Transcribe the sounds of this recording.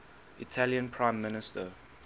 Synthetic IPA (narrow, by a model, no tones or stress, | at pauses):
itʰæljə̃npʰɹãɪ̃mːɪnɪstə